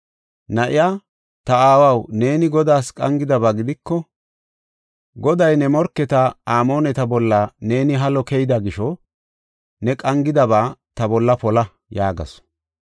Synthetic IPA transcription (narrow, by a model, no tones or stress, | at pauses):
nɐʔɪjaː | t̪ɐaːwɐwne̞ːnɪɡɔd̪aːskʼɐ̰ŋɡɪd̪ɐbaːɡɪd̪ɪkːɔ | ɡɔd̪ɐjnɛmɔɾkːɛt̪ɐaːmo̞ːnɛt̪ɐbɔlːɐne̞ːnɪɦɐlɔkɛjɪd̪ɐɡɪʃɔ | nɛkʼɐŋɡɪd̪ɐbaːt̪ɐbɔlːɐpɔlɐ | jaːɡɐ̰s